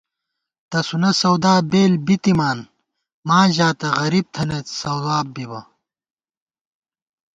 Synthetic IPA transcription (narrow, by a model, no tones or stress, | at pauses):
t̪ɐsunɐsɐwd̪aːbeːlbit̪imaːn | maːʑaːt̪ɐʁɐɾib̚t̪ʰɐnɐsɐwd̪aːbbibɐ